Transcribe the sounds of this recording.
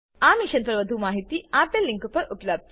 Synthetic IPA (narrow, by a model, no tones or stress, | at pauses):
aːmiʃɐnpɐɾɐʋɐd̪ʱumaːɦit̪iaːpelːiŋkupɐʔupɐlɐb̚d͡ʒ